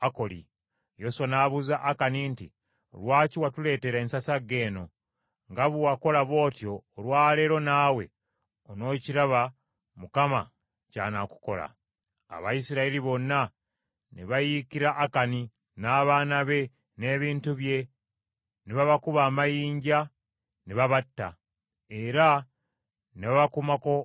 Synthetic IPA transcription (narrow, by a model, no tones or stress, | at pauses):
ako̞lḭ | jo̞swanaːβuzaʔːkaniːnti | o̰lwaːciwatule̞ːte̞ɾeensasaɡe̞ːno̞ | ŋɡaβuwako̞laβo̞ːtjo̞ːlwaːle̞ːɾo̞naːwe̞ | ono̞ːciɾaβa | mukama | ca̰ːnaku̥ko̞la̰ː | βajisiɾaeliβo̞nːa | niβajikiɾaʔːkani | naːβaːnaβe̞ | ne̞ːβiːntuβje̞ | niβaβakuβaːmajiːɲɟa | niβaβatːa | eɾa | neβaβakumako̞